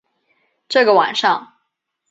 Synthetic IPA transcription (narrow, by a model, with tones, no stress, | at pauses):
ʈ͡ʂɤ˥˩ɡə˩wa̰˨˩nʂɑ˥˩ŋ